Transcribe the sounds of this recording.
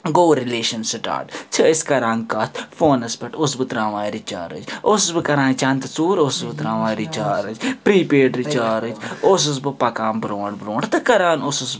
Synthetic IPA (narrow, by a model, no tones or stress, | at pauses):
ɡoːɾileːʃɐnsiʈa̰ːʈt͡ʃʰiiskɐɾaŋɡkɐt̪ʰfoːnɐspɐʈosbɨt̪ɾãːʋaːɾit͡ʃa̰ːɾɨ̰d͡ʒossbɨkɐɾãːt͡ʃɐ̃nt̪ɐt͡suːɾossbɨt̪ɾãːʋãːɾit͡ʃaːɾɨd͡ʒpɾiːpeːʈɾit͡ʃaːɾɨd͡ʒos̬ɨs̬bɨpɐkaːmbɾõːɖbɾõːɳɖt̪ɨkɐɾaːnosʊs